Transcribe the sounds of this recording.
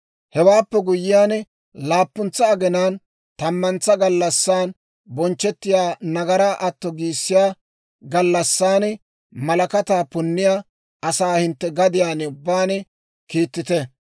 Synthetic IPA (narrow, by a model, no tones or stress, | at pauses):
hɛwaːpːɛɡʊjːɪjaːn | laːpːʊnt͡sːɐːɡɛnaːn | t̪ɐmːɐnt͡sːɐɡɐlːɐsːaːn | bɔnt͡ʃːɛt̪ːɪjaːnɐɡɐɾaːʔɐt̪ːɔɡiːsːɪjaː | ɡɐlːɐsːaːn | mɐlɐkɐt̪aːpʊnːɪjaː | ʔɐsaːhɪnt̪ːɛɡɐd̪ɪjaːnʊbːaːn | kiːt̪ːɪt̪ɛ